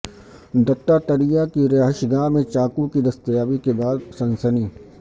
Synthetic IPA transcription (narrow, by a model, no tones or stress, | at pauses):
d̪ɐʈːat̪ɐɾijakiɾeɦɪʃɡaːmẽt͡ʃaːkũkid̪ɐst̪əjaːbikebaːd̪sɐ̃nsəniː